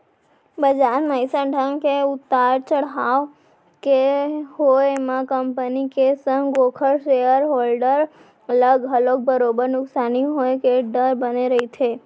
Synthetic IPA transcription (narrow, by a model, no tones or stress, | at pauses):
bəd͡ʒaɾməjsaɖʰʱəŋkeʊt̪ːaɾt͡ʃəɽɦaʋ | keɦojemãkəmpənikesəŋɡɡokʰəɾʃejəɾɦolɖəɾ | ələɡɦəlok̚bəɾobəɾnʊksaniɦojkeɖəɾbəneɾəɦit͡ʃʰe